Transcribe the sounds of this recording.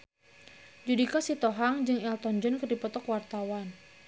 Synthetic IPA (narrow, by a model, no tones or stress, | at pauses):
d͡ʒudikasit̪ɔɦaŋd͡ʒɨŋɛlt̪ɔnd͡ʒɔnkɨrdipɔt̪ɔkwart̪awan